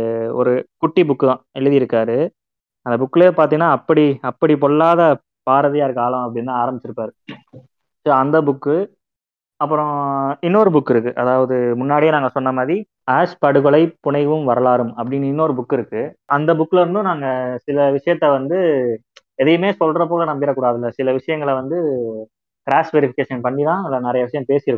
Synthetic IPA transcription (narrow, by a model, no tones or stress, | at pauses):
ɔɾɯkʊʈːibʊkːɯðãːɪɭːɐðɪjɪɾɯkːaːɾɯ | ɐnd̪ɐbʊkːɪleːpaːɾt̪iŋɐnaːɐpːɐɽiɐpːɐɽip̬ɔɭːaːðɐ | paːɾɐðɪjaːɪɾɯkːaːlɐ̃ɐpːɐɽɪnt̪ãːaːɾɐmbɪt͡ʃːɪɾɯpːaːɾɯ | soːɐnd̪ɐbʊkːɯ | ɐpːɯɾɔ̃ɪnːoɾɯbʊkːɪɾɯkːɯʔɐðaːʋɐðɯmʊnːaːɽɪjeːnaːŋɡɐsɔnːɐmaːðɾi | aːʂpɐɽɯɣɔɭɐɪpʊɳɐɪʋɯmʋɐɾɐlaːɾɯmɐpːɐɽɪnːɯɪnːoːɾɯbʊkːɪɾɯkːɯʔɐnd̪ɐbʊkːɪlɐɾɯnd̪ɯ̃naːŋɡɐsɪlɐʋɪʂɐjɐt̪ːɐʋɐnd̪ɯ | ɛðɐjɯmeːsɔlɾɐp̬oːlɐnɐmɡɪɾɐkuːɽaːðɪlːɐsɪlɐʋɪʂɐjɐŋɡɐɭɐʋɐnd̪ɯ | kɾaːsʋɛɾɪfɪkeːʂɐnpɐɳːiðãːɪlːɐnɪɾɐjɐʋɪʂɐjɐ̃mpeːsɪjɾɯkːʊ̃